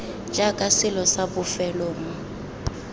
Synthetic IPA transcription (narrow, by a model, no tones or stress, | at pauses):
d͡ʒʼakʼasɪlɔsabʊfɛlɔːm̩